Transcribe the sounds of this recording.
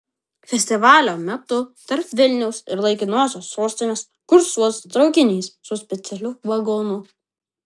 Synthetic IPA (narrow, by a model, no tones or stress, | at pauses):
fʲɛsʲt̪ʲɪʋɑːlʲoːmʲɛt̪ʊt̪ɐɾpʋʲɪlʲnʲɛʊsɪɾlˠɐɪkʲɪnoːsʲoːsːoːsʲt̪ʲɪnʲeːs | kʊɾsuɔst̪ɾɒʊkʲɪnʲiːssʊsʲpʲɛt̪sʲɛlʲʊʋɐɡonʊ